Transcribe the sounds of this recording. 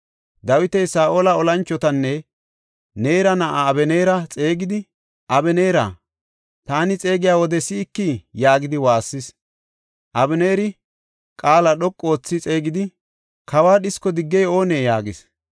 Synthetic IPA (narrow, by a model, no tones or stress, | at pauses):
d̪ɐwɪt̪ɛjsaːʔoːlɐɔlɐnt͡ʃːɔt̪ɐnːɛ | ne̞ːɾɐnɐʔaːbɛneːɾɐt͡sʼe̞ːɡɪd̪ɪ | ʔɐbɛne̞ːɾa̰ | t̪aːnɪt͡sʼe̞ːɡɪjaːwɔd̪ɛsɪːkːɪjaːɡɪd̪ɪwaːsːɪs | ʔɐbɛneːɾɪ | kʼaːlɐɗɔkʼːo̞ːt͡sːɪt͡sʼe̞ːɡɪd̪ɪ | kʰɐwaːɗɪskːɔd̪ɪɡːɛjo̞ːneːjaːɡɪs